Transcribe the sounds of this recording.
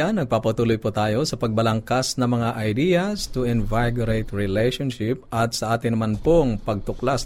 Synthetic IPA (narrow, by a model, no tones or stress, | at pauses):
anːɐɡ̚paːpɐt̪uːlʊjpʊt̪aːjo̞sɐpɐɡ̚bɐlɐŋkasnɐŋmɐŋaʔɐjd̪iːɐst̪ʊɪnvajɡʊɾejt̪ɹɪlɛjʃonʃɪpɐt̪̚sɐʔaːt̪ɪnɐmanpoŋpɐɡ̚t̪ʊklas